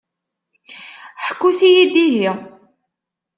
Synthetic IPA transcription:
ħə̥kːuθijid̪iɦi

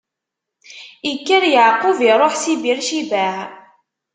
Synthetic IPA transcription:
ikːəɾjəʕqʊviɾˤoħsibiɾʃibæʕ

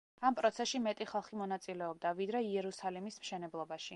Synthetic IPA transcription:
ampʼɾɔt̪sʰɛsʃimɛt̪ʼiχalˠχimɔnat̪sʼilɛɔb̚d̪avid̪ɾɛiɛɾusalimismʃɛnɛblˠɔbaʃi

